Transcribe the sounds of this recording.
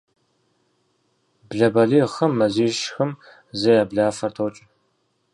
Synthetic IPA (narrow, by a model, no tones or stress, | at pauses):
bɮɐbɐɮiːχɐmːɐziːʃxɨm | zɐjaːbɮaːfɐrtʰowt͡ʃʼɪ